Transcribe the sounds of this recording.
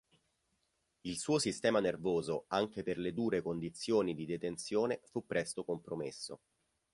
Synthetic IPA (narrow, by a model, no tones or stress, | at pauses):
ilsuːosist̪ɛːmanervoːzoaŋk̟eperled̪uːɾekond̪it̪sːjoːnid̪id̪et̪ent̪sjoːnefupːɾɛst̪okompɾomḛsːo̰